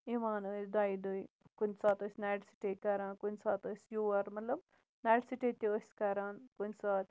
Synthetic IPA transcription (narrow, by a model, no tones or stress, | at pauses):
imaːnəsd̪aːjd̪uj | kunʲsaːt̪əsʲnaːʈsi̥ʈekɐɾaːnkunsaːt̪əsjuʋɐɾmɐt̪lɐb | naːʈsiʈet̪iəsʲkɐɾaːnkunʲsaːt̪